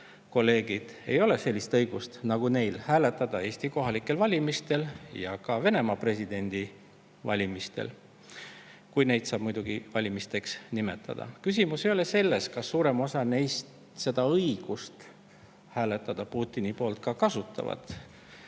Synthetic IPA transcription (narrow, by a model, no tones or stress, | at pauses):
ko̞lːe̞ːɡ̥id̪̥e̞̰jo̞le̞se̞lʲːist̪ɤjɡ̥ust̪nɑɡ̥une̞jlhæːle̞t̪ːˑɑd̪̥ɑe̞ːsʲt̪iko̞ɦɑlikːˑe̞lvɑlʲimist̪e̞ljɑkɑve̞ne̞mɑpre̞sʲid̪̥e̞nʲd̪̥i | vɑlʲimist̪e̞̰l | kujne̞jd̪̥sɑːb̥mujd̪uɡ̥ivɑlʲimist̪e̞ksnime̞t̪ːˑɑ̰d̪̥ɑ̰kys̬ʲimusejole̞se̞lːe̞skɑsːuːɾe̞mo̞sɑne̞jst̪ | se̞d̪̥ɑɤiɡ̥ust̪ | hæːle̞t̪ːˑɑd̪̥ɑpuːt̪ːˑinipo̞ːlt̪̚kɑkɑsut̪ːˑɑ̰vɑ̰d̪̥